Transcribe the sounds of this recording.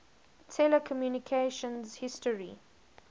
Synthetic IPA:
tʰɛləkʰɔmjuːnikʰeʃə̃nzhɪstəɹḭ

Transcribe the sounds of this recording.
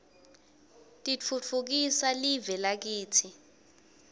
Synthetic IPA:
tʼit͡fʰut͡fʰuk̬isalivɛlak̬iːtʰi

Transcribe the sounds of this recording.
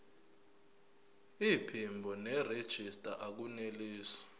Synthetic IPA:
ipʰimbʱɔnɛred̥ʒ̥ʱistʼa̰ʔak̬uneliːsḁ

